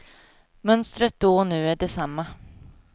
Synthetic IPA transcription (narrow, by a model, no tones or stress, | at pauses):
mœnst̪ɾət̪̚d̪̥ɔnʉ̟ːæɖɛsamːa